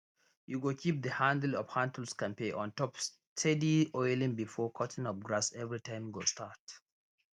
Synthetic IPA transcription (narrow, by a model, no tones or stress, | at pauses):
juɡokʰip̚ðəhãndl̩ɔv̥hãndl̩skãnpeʔɔ̃ntɔps | tʰɛdiɔɪlĩŋbifɔkʰɔtʰɪ̃ŋɔp̚ɡɹasɛvɹitʰãɪ̃mɡostat